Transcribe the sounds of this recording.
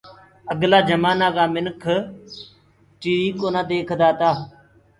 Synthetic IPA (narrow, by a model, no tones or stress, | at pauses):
əɡlaːd͡ʒəmaːnaːɡaːmɪnkʰ | t͡ʃiːɾiːkoːnãːd̪eːkʰd̪aːt̪aː